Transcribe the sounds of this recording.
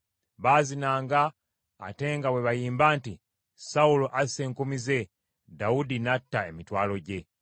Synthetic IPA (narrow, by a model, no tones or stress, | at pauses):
βaːzinaːŋɡa̰ː | te̞ːŋɡawe̞βajiːmbaːnti | sauloʔase̞ːŋkomize̞ | daudinatːae̞mitwaːlo̞ɟe̞